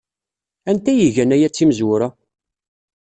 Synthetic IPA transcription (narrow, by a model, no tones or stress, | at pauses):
ænt̪æjiʝænæjæt͡sːimzwʊɾæ